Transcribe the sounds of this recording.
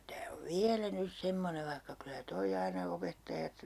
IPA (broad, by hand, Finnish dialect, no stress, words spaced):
tæː tæː oʋ ʋiælæ nys semːoneʋ ʋɑihkɑ kylæ toi ɑinɑ opetːɑjɑt